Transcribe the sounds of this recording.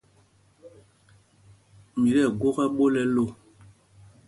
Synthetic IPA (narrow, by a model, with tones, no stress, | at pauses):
mi˨lɛ˦˨ɡwo˦kɛ˦ɓo˦lɛ˦lo˦˨